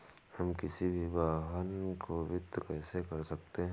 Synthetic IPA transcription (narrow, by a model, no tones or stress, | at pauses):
hɐmkɪsibʱibaːɦənkoʋɪt̪ːkɛːsekɐɾsɐk̚t̪eɦɛ̃